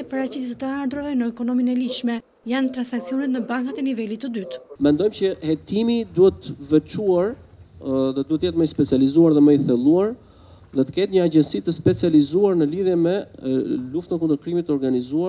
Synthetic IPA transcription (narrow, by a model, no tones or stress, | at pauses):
paɾat͡ɕit̪t̪ət̪əaɾd̪ɾavɛnəɛkɔnɔminɛliʃmɛ | jant̪ɾansaksiɔnɛt̪nəbaŋkat̪ɛnivɛlit̪ːəd̪yt̪mɛnd̪ɔjmcəhɛt̪imid̪uhɛt̪vɛt͡ʃuaɾ | ðɛd̪uhɛt̪jɛt̪məjspɛt͡sijalizuaɾðɛməjθɛlˠuaɾ | ðɛt̪ə̥kɛt̪ɲəaɟɛnsit̪əspɛt͡sializuaɾnəliðjɛmɛ | luft̪ənk̬und̪əɾkɾimit̪ːəɔɾɡanizua